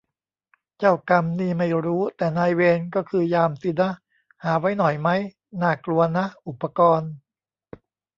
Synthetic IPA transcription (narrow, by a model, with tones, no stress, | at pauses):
t͡ɕa˥˩wka˧mniː˥˩ma˥˩jɾuː˦˥t̪ɛː˨˩naː˧jweː˧nkɔː˥˩kʰɯː˧jaː˧msi˧˩na˦˥ʔ | haː˩˦wa˦˥jnɔ˨˩jma˦˥j | naː˥˩klu˧ɐna˦˥ʔu˨˩pːa˧kɔː˧n